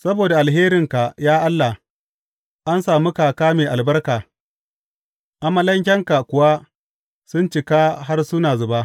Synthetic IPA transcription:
sɐ˦boː˨da˨ʔa˨lɦeː˦ɾɪ˨ŋka˨jaː˦ʔa˦lːa˨ | ʔa˦nsaː˨mu˦kaː˨kaː˦meː˨ʔa˨lbɐ˦rkaː˨ | ʔa˨ma˦lɐ˦ŋk̬ʲɛ˦ŋka˨kʷʊ˨wa˦ | sʊ˦nt͡ʃɪ˨kaː˦ɦa˦rsʊ˦naː˨zʊ˨baː˦

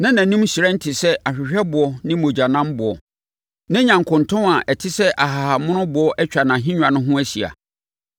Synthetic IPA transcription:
nã˦nã˨nũ˦m˦si˨ɾɛ̃˦n̩˦tʰɪ˨sɛ˦ʔa˨ɕᶣɪ˨ɕᶣɛ˦bʊ˨ɔ˦nɪ̃˦mõ˨d͡ʑa˨nã˦m˦bʊ˨ɔ̰˨ | nã˦ɲã˨ŋkʰʊ̃˨ntʰʊ̃˦na˨ʔɛ˨tʰɪ˦sɛ˦ʔa˨ɦa˨ha˨mʊ̃˦nʊ̃˦bʊ˨˦ɔ˦ʔɛ˦t͡ɕᶣa˨nã˨ɦɪ̃˦ɲᶣ˨ã˨nʊ̃˦ɦʊ̃˦æ˦si˨a̰˨

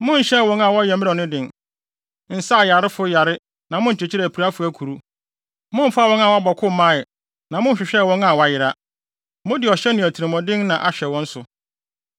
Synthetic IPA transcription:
mʊ̃˦n̩˨ɕɛ˦˨wɔ̃˦na˨wɔ˦jɛ˨˦mɪ̃˦ɔ˨nɪ̃˦dɪ̃˨n | n̩˨sa˦˨ja˨ɾɪ˦fʊ˦ja˨ɾɪ˦ | nã˨mʊ̃˦n̩˨t͡ɕʰɪ˨t͡ɕʰi˦ɾɛ˨pʰi˨ɾa˦fʊ˦æ˦kʰu˨ɾu˦ | mʊ̃˦m̩˦fa˦˨wɔ̃˦na˨wa˦bɔ˨kʰʊ˦mã˦˨ɪ˨ | nã˨mʊ̃˦˨ɕᶣɪ˨ɕᶣɛ˦˨wɔ̃˦na˨wɔ˨a˨jɪ˨ɾa˦ | mʊ̃˦dɪ˨ɔ˨ɕɛ˦nɪ̃˨æ˨tʰi˨ɾɪ̃˨mɔ̃˨dɪ̃˦nnã˨ʔa˨ɕᶣɛ˨wɔ̃˦n̩˦sʊ˨

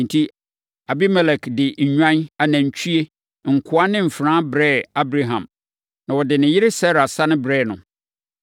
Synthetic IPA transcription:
n̩˨tʰi˦ | a˨bi˦mɛ˨lɛ˨kdɪ˨ɲ̩˨ɲᶣã˦na˨nã˨ɲ̩˨t͡ɕʰɥe˦ | ŋ̩˨kʰʊ˦a˦nɪ̃˦m̩˨fɾãː˦bɾɛː˦˨a˦bɾa˦ɦã̰˨m | nã˨wɔ˨dɪ˨nɪ̃˨jɪ˦ɾɪ˦sa˦ɾa˨sa˦nʊ̃˦bɾɛː˦˨nʊ̰̃˨

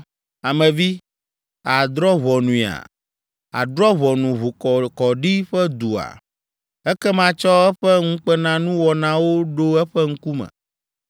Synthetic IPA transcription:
a˨mɛ̃˨vi˦ | a˨d̪ɾɔ˦βɔ˨nũ˨i˨a̰˨ | a̰˨d̪ɾɔ˦βɔ˨nũ˨βo˨kɔ˨kɔ˨ɖi˦ɸɛ˦d̪u˨a̰˨ | ɛ˦kɛ˦mã˦t͡ʃɔ˦ɛ˦ɸɛ˦ŋu˦k͡pɛ˦nã˦nũ˦wɔ˨nã˦wo˦ɖo˦ɛ˦ɸɛ˦ŋ̩˦ku˦mɛ̰̃˨

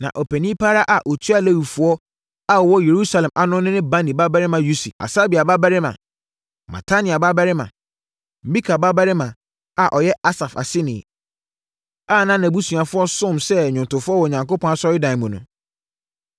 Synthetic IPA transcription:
nã̰˨ʔɔ˨pʰɛ˨nĩ˦pʰaː˦ɾa˦ʔa˨ʔɔ˨tʰu˦a˦lɛ˦wu˨fʊ˦ɔ˦ | a˦˨wɔ˦je˨ɾu˦sa˨lɛ̃˨mʔa˨nʊ̃˦nɪ̃˦nɪ̃˦ba˦nĩ˨ba˦bæ˦ɾɪ˦mã˨ju˦si˨a̰˨saː˦bi˨a˨ba˦bæ˦ɾɪ˦mã̰˨ | ma̰˨tʰa˦nĩ˨a˨ba˦ba˦ɾɪ˦mã̰˨ | m̩˨bi˦kʰa˨ba˦ba˦ɾɪ˦mã˨ | a˨ʔɔ˨jɛ˦ʔa˦sa˨fa̰˨sɪ˦nɪ̃˨ | a˦˨nã˦nã˨bu˦sũ˨a˨fʊ˦ɔ˦sʊ̃˦˨msɛ˦˨ɲʊ̃˨ntʊ˨fʊ˦ɔ˦wɔ˨ɲã˨ŋko˦pʰɔ̃˦na˨sɔ˦jɪ˦dã˨n˨mʊ̃˨nʊ̰̃˨

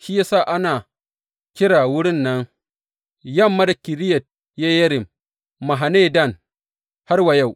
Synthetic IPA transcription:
ʃi˦ja˦saː˦˨ʔa˦naː˨ | kʲɪ˦ɽaː˨wʊ˦ɽɪ˦nːɐ˦ŋ | jɐ˦˨mːa˦da˨kʲɪ˨ɾɪ˦jɐ˨t̚ | ja˦jɐ˦ɾɪ˨mː | a˨ɦa˨neː˦˨dɐ˦˨n | ha˦rwa˨ja˦˨w

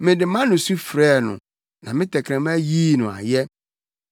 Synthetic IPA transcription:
mɪ̃˨dɪ˨mã˦nʊ̃˨su˦fɾɛː˦˨nʊ̰̃˨ | nã˨mɪ̃˦tʰɛ˨kʰɾɛ̃˨m˦æ˦jiː˦nʊ̃˨a̰˨jɛ˦

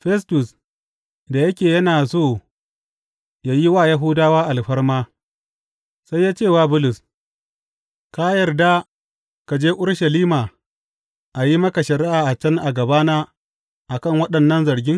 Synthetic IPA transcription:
ɸɛ˦s̬tʊ˨s | da˨jɐ˦kʲeː˨jɐ˦naː˨soː˦˨ | jaː˦ji˦waː˦˨ja˦ɦʊ˦daː˦waː˦ʔa˨lɸɐ˦rmaː˦ | sa˦jːaː˦t͡ʃeː˦˨waː˦bʊ˦lʊ˨s | ka˦jɐ˨rda˦ | ka˨d͡ʒeː˦ʔʊ˦ɽʃɐ˨liː˦maː˨ | ʔa˨ji˦mɐ˦ka˨ʃɐ˨ɾɪ˦ʔaː˨ʔa˨t͡ʃɐ˦ŋʔa˨ɡɐ˨baː˦na˦ | ʔa˨kɐ˦˨ŋwɐ˦ɗɐ˨nːɐ˦nzɐ˨ɽɡʲɪ˦ŋ

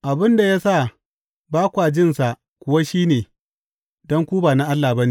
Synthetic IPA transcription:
ʔa˨bɪ˦nda˨ja˦sa˦˨ | baː˦kʷa˨d͡ʒɪ˦nsa˨ʔ | kʷʊ˨wa˦ʃiː˦neː˨ | dɔ˦ŋkʷu˦baː˨na˦ʔa˦lːa˨ba˦ne˦˨

